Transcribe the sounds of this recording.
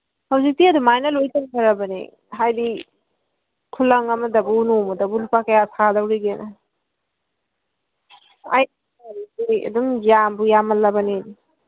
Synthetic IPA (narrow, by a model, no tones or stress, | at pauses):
hawzik̚tiɐdumajnɐlojtɐnkʰɐɾɐbɐnḭ | ɦajdi | kʰulɐŋɐmɐdɐbunomɐdɐbulupakɐjasadɐwɾiɡenɐ | a̰j | iejɐ̰dumjambujamɐlɐbɐnidi